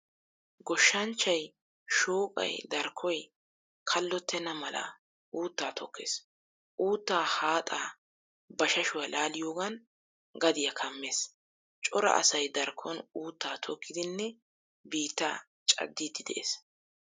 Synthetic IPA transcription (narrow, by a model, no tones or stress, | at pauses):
ɡɔʃːɐnt͡ʃːɐj | ʃoːkʼɐ̰jd̪ɐɾkʰːɔj | kʰɐlːɔt̪ʰːɛnɐmɐlɐ̰ | ʔuːt̪ːaːt̪ʰɔkʰːḛːs | ʔuːt̪ːaːhaːt̪ʼaː | bɐʃɐʃʊwjɐlʔaːlɪjoːɡɐn | ɡɐd̪ɪjɐkʰɐmːe̞ːs | t͡ʃʼɔɾɐ̰ʔɐ̰sɐjd̪ɐɾkʰːɔnuːt̪ːaːt̪ʰɔkːɪd̪ɪnːɛ | biːt̪ːa̰ː | t͡ʃʼɐ̰d̪ːiːd̪ɪd̪ɛ̰ʔes